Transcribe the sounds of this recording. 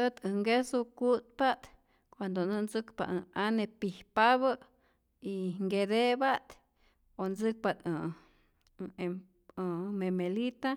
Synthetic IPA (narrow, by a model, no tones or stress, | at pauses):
ət̪ɨŋɡesukut̪̚pat̪ | kʷand̪onɨnzɨkpa̰ʔanepihpaβə | iŋɡed̪ebat̪ | onzɨk̚pat̪ɨ | memelit̪a